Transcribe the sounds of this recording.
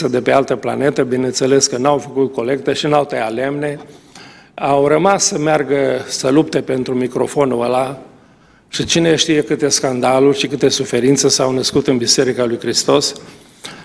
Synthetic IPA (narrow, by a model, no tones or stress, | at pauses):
əd̪e̞pe̞alt̪əpla̰ne̞t̪əbinent̪se̞le̞skənawfəkut̪̚ko̞le̞k̚t̪əʃinawt̪ejale̞mne̞ | awrəmasːəmearɡəsəlupt̪e̞pe̞nt̪ɾumikɾo̞̰fo̞nuəla | ʃit͡ʃine̞ʃt̪ijekɨt̪e̞skand̪alurʲʃikɨt̪e̞sufe̞ɾint̪sesawnəskut̪ɨnbise̞ɾikalujkɾist̪o̞s